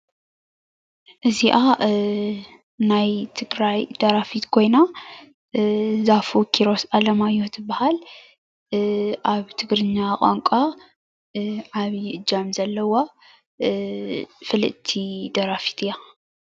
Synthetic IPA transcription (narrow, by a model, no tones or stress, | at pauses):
ʔɨziʔa | najt̪ʰɨɡɾajd̪̥ɐɾafit̪kʰo̞jna | zafukʰiɾo̞sʔalɐmajːut̪ʰɨbːahal | ʔaβt̪ʰɨɡɾɨɲːaχʼa̰ŋkʷʼa | ʕaβiɨd͡ʒamzɐlːɐwo | fɨlɨ̰t̪ʰːid̪ɐɾafi̥t̪ʰɨja